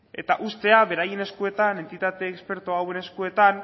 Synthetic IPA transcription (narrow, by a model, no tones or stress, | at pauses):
e̞t̪aʔust̪e̞aβe̞ɾajene̞skue̞t̪ane̞nt̪it̪at̪e̞ːkspe̞ɾt̪oawe̞ne̞skue̞t̪an